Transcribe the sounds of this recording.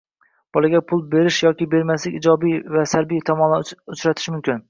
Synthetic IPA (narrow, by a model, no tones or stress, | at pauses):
b̥ɒlˠaɡʲapʰʊlˠbe̞ɾɪʃjɒkʲɪbe̞ɾmaslɪkʲɪd͡ʒɒbijvasaɾbijt̪ʰɒmɒnaʊt͡ʃɾat̪ʰɪ̥ʃmʊmkʲɪn